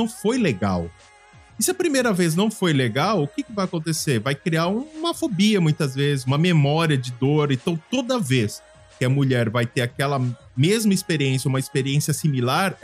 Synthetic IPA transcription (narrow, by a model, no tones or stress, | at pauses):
ɐ̃w̃fojleɡa̰w | ɪsɪɐpɾimejɾɐvez̬nɐ̃w̃fojleɡawʊkɪkɪvajakõt̪eseɾvajkɾiaɾũũmɐfobiɐmũj̃t̪ɐzvezɪzũmɐmemɔɾiɐd͡ʒɪd̪oɾẽt̪ɐ̃w̃t̪od̪ɐves | kɪɐmuʎɛɾvajt̪eɾakɛlɐ | mezmɐispeɾiẽs̬jɐũmɐispeɾiẽsiɐsimilaɾ